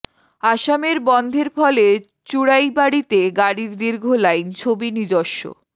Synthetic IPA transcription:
aʃameɾbɔnd̪ʱeɾfɔle | t͡ɕuɽajbaɽit̪eɡaɽiɾd̪iɾɡʱolajnt͡ɕʰobinid͡ʑoʃːo̰

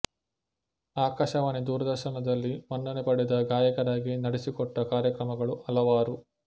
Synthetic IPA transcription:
aːkaːʃɐʋaːnid̪uːɾɐd̪ɐɾʃɐnɐd̪ɐlːimɐɳɖɐnepɐɽed̪ɐɡaːjɐkɐɾaːɡinɐɽesikɔʈːɐkaːɾjɐkɾɐmɐɡɐɭuʔɐlɐʋaːɾu

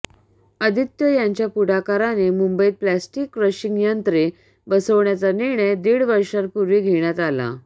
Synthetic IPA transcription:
əd̪ʱit̪jəjaɲt͡ɕjapuɽakaɾanemumbəjt̪̚plæsʈikːɾəɕiŋɡjənt̪ɾe | bəsəʋɳjat͡saniɾɳ̃əjd̪iːɽʋəɾʂaɾpuɾʋiːɡʱeɳjat̪ala̰

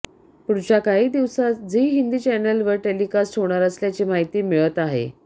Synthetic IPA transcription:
puɽt͡ɕakaɦiːd̪iʋsad͡ziːɦind̪iːt͡ɕɛnəlʋəɾʈelikasʈʰɦoɽ̃aɾəsljat͡ɕiːmaɦit̪iːmeɭət̪aɦḛ

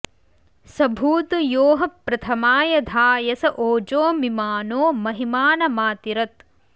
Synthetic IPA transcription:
sɐbʱuːt̪joːɦɐpɾɐt̪ʰɐmaːjɐd̪ʱaːjɐsɐʔoːd͡ʒoːmimaːnoːmɐɦimaːnɐmaːt̪iɾɐt̪

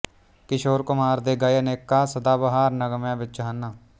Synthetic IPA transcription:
kɪʃoːɾkʊmaːɾd̪eːɡaːjəneːkːaːsəd̪aːbəɦaːɾnəɡəmjãːbɪt͡ʃd͡ʒəɦənːaː

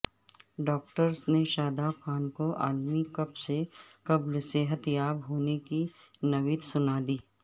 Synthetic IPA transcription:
ɖɔːk̚ʈəɾsneʃaːd̪akʰaːnkoʔa̰ːlmikɐpsekɐblseɦɐt̪jaːbɦoːneki | nɐʋɪt̪sʊnaːd̪iː

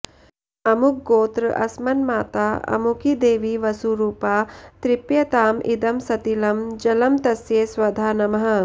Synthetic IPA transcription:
ɐmuk̚ɡoːt̪ɾɨʔɐ̰smɐnmaːt̪aːɐ̰mukid̪eːʋiʋɐsuɾuːpaːt̪ɾipjɐt̪aːmʔḭd̪ɐmsɐt̪ilɐmd͡ʒɐlɐmt̪ɐsjeːsʋɐd̪ʱaːnɐmɐɦɐ̆

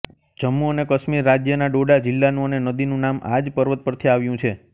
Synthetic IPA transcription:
d͡ʒəmːuənekəʃmiɾːad͡ʒjənaɖoɖad͡ʒilːanũənenəd̪inũnama̰d͡ʒpəɾʋət̪̚pəɾt̪ʰiaʋjũt͡ʃʰe

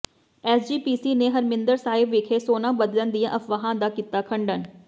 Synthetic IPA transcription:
ɛːsd͡ʒiːpiːsiːneːɦəɾmɪ̃nd̪əɾsaːɪbʋɪkʰeːsoːnãːbəd̪lənd̪ijãːʔəfʋaːɦãːd̪aːkiːt̪aːkʰəɳɖən

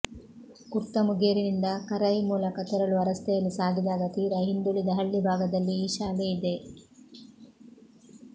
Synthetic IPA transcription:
kuɾt̪ɐmuɡeːɾinind̪ɐkɐɾɐjmuːlɐkɐt̪ɛɾɐluɐɾɐst̪ɛjɐlːisaːɡ̪ʱid̪aːɡɐt̪iːɾɐɦind̪uɭid̪ɐɦɐɭːibʱaːɡɐd̪ɐlːiːʃaːleid̪e̞

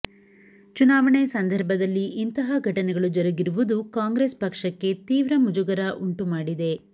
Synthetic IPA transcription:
t͡ʃunaːʋɐɳesɐnd̪ʱɐɾbʱɐd̪ɐlːiʔint̪ɐɦɐɡʱɐʈɐnɛɡɐɭud͡ʒɔɾɐɡiɾuʋud̪ukaːŋɡɾespɐkʂɐkːe̞t̪iːʋɾɐmud͡ʒuɡɐɾɐʔuɳʈumaːɽid̪e̞

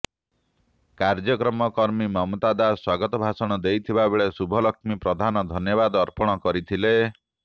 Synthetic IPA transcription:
kaɾd͡ʒɔkɾɔmɔkɔɾmimɔmt̪ad̪aswaɡɔt̪ɔbʱasɔɽ̃ɔd̪ejt̪ʰibabeɭesubʱɔlɔkmipɾɔd̪ʱanɔd̪ʱɔnjɔbad̪ɔɾpɔɽ̃ɔkɔɾit̪ʰile

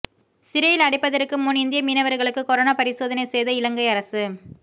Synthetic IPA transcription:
sɪɾɐjɪlɐɽɪpːɐðɐɾkːɯmʊnɪnd̪ɪjɐmiːnɐʋɐɾɣɐɭɯkːɯkɔɾoːnaːpɐɾɪsoːðɐnɐɪsɛjðɐɪlɐŋɡɐɪɐɾɐsɯ

